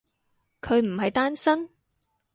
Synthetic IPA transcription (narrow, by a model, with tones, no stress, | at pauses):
kʰɵ˨˧ɥm̩˨˩ɦɐ˨jt̪aː˥nsɐ˥n